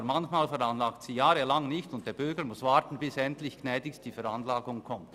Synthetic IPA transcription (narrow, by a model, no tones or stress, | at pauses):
mançmaːlfɛɾanlaːktsiːjaːɾəlaŋnɪçtʊnt̚d̥eːɐb̥ʏɾɡəɾmʊsv̥aːɾtn̩bɪsɛntlɪçɡ̥nɛːdɪçsd̥iːfɛɾanlaːɡʊŋkʰɔmt